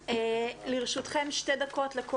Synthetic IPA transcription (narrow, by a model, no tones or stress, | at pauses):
eliʁʃut̪χemʃte̞dako̞tleko